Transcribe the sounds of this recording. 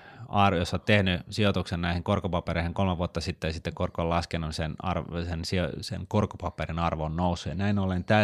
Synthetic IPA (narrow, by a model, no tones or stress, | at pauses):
ɑrjosːot̪t̪ehnysiot̪uksennæiheŋkorkopɑpereiheŋkolmeʋuot̪ːɑsit̪ːesit̪ːekorkollɑskenːusenɑ̰rsensiosḛnkorkopɑpːerinɑrʋonnousːujɑnæinolent̪æ